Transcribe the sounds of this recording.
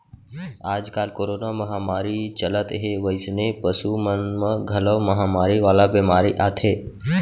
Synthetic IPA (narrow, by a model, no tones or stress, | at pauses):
aːd͡ʒkaːlkoːɾoːnaməɦaːmaːɾit͡ʃələt̪ɦeʋəɪsnepəsumənməɡʱələʋməɦaːmaːɾiʋaːlabeːmaːɾiʔaːt̪ʰeː